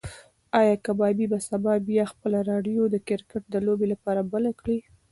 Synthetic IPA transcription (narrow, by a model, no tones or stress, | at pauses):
ɑjɑkabɑbibasabɑbjɑxpəlaɾɑɖjod̪əkɪɾkaʈ̚d̪əlobelapɑɾabəlakɽi